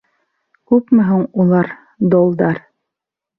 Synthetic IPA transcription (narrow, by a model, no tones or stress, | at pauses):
kʉpmɘ̆ɦuɴulˠɑɾ | d̪olˠd̪ɑɾ